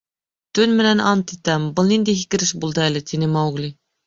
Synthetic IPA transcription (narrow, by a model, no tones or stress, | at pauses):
t̪ʰynmɪnɛnɑnt̪ʰit̪ɛmbʊlˠnind̪ɪɦikʲɪɾɪʃbulˠd̪ɨælɪt̪ʰinɪmɑwɡlˠi